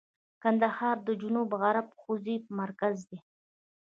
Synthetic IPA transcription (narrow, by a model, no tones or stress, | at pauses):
kand̪ahɑɾd̪əd͡ʒunubɣaɾapxozipəmaɾkazd̪e